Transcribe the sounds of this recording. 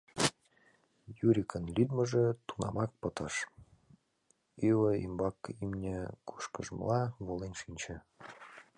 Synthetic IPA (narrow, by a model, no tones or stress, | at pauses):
juɾʲikʰənlʲyd̪̚mə̆ʒĕt̪unɑ̰mɑk̚pɤ̆t̪əʃ | iwəḭmbɑkimnʲeku̥ʃkəʒm̰lɑβolenʃinʲt͡ɕə̆